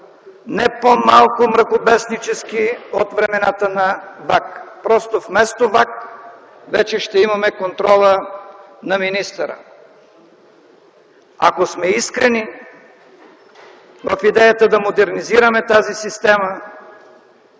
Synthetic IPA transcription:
nɛpomalˠkʊmɾɐkobɛsnit͡ʃɛskiot̪vɾɛmɛnat̪ənɐvakpɾɔst̪ofmɛst̪ovak | vɛt͡ʃɛʃt̪ɛimɐmɛkont̪ɾɔlˠənɐminist̪ɐɾə̰ | a̰kosmɛiskɾɛni | vɐfid̪ɛjɐt̪əd̪ɐmod̪ɛɾniziɾɐmɛt̪azisist̪ɛmə

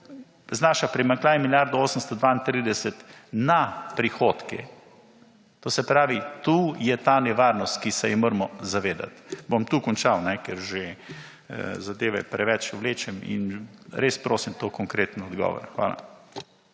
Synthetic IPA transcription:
znaːʃapɾimaŋklaːnɛmiljaɾd̪ɔoːsəmst̪ɔd̪ʋaint̪ɾiːd̪ɛsɛt̪napɾixoːt̪kɛ̰ | t̪oːsɛpɾaːʋit̪uːjɛt̪anɛʋaːɾnɔst̪kisɛjimoːɾmɔzaʋeːd̪a̰t̪bomt̪uːkɔnt͡ʃawnɛkɛɾʒe | zad̪eːʋɛpɾɛʋɛt͡ʃuwleːt͡ʃɛmḭnɾeːspɾoːsimt̪okɔŋkɾeːt̪n̩ɔd̪ɡɔ̰ːʋɔ̰ɾxʋa̰ːla̰

